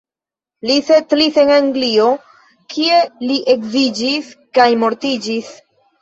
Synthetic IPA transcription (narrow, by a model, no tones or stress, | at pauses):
lise̞tlise̞naŋɡlio̞ | kʰie̞liʔe̞kzid͡ʒiskajmo̞ɾtid͡ʒis